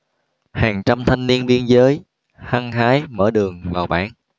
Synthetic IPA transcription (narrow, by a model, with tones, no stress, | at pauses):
haː˨˩ŋt͡ɕa˧mt̪ʰa˧jŋ̟ni˧ənɓi˧ənzəː˨˦j | ha˧ŋhaː˨˦jməː˧˩ɗɨ˨˩əŋvaː˨˩wɓa̰ː˧˩n